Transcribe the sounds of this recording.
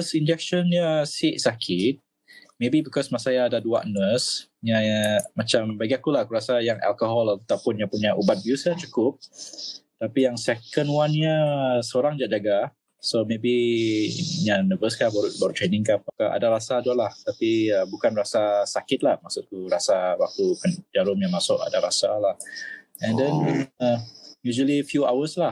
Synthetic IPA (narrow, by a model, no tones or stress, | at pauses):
sind͡ʒɛk̚ʃɔnɲəsiʔsakʰɪt̪̚ | mebibikɔsmasajaːdadua̰ʔnəsɲamat͡ʃambaɡiakulakuɾasajaŋɛ̰lkoɦɔlat̪awpʊnjapuɲaʔubat̪̚biusat͡ʃu̥kʊp̚ | t̪apijaŋsɛkənwanɲasəoɾaŋd͡ʒaʔ̚d͡ʒaɡa | somebi | ɲanəvəskabaɾubaɾut̪ɾenɪ̃ŋkamakaʔa̰daɾasaduaʔlaht̪apiəbukanrasasakɪt̪̚lahmasʊʔkuɾasawak̚t̪ukənd͡ʒaɾʊmɲamasʊʔa̰daɾasalahɛ̃ndɛn | jud͡ʒəlifjua̰wəslah